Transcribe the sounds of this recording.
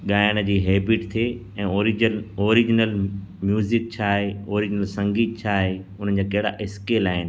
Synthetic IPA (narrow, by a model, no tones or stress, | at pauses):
ɠaːjəɽ̃əd͡ʑiːɦeːbɪʈt̪ʰeː | ɛ̃ːoːɾɪloːɾɪd͡ʑnəl | mjuːzɪk̚t͡ɕʰaːɦeoːɾɪd͡ʑɪnəlsɐ̃ŋɡiːt̪̚t͡ɕʰaːɦe | ʊn̤ən̆d͡ʑaːkɐɦɪɽa̰ʔɪskeːlaːɦɪnɪ